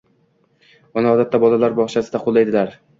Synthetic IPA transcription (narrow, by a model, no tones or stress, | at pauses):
ʊnɪɒd̪at̪ːabɒlalaɾbɒʁt͡ʃʰasɪd̪aqʰolˠːajd̪ɪlaɾ